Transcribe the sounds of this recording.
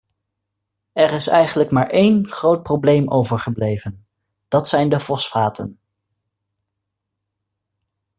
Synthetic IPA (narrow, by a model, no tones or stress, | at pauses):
ɛɹɪsɛ̰jχənləkmaːɹʔejnχrowt̚prowblejmʔowvəɹχəblejvən | d̥ɑtsɛjndəfɔsfaːtʰən